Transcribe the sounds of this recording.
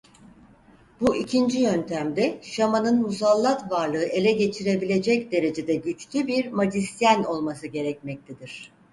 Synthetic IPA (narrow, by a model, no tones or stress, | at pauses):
buʔicʰind͡ʒijø̞nt̪ʰæmd̪ɛʃamanɯnmuzalˠːat̪vaɾlˠɯɯʔe̞lʲɛɟe̞t͡ʃʰiɾe̞bilʲe̞d͡ʒɛcd̪e̞ɾe̞d͡ʒe̞d̪ɛɟyt͡ʃlʲybiɾmad͡ʒ̪isijæno̞lˠmas̬ɯɟe̞ɾɛcmɛc̚t̪ʰed̪iɾ̝̥